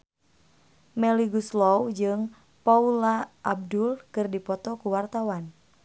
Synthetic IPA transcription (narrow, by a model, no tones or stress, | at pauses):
mɛliɡuslɔwd͡ʒɨŋ | paulaʔːb̚dulkɨrdipɔt̪ɔkuwart̪awan